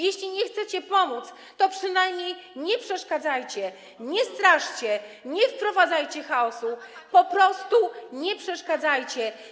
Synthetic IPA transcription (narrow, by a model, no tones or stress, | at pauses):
jɛɕlʲiɲɛxt̪sɛt͡ɕɛpɔmut̪s | t̪ɔpʂɘnajmɲejɲɛpʂɛʂkad̪zajt͡ɕɛ | ɲɛst̪ɾaʂt͡ɕɛɲɛfpɾɔvad̪zajt͡ɕɛxaɔsupɔpɾɔst̪uɲɛpʂɛʂkad̪zajt͡ɕɛ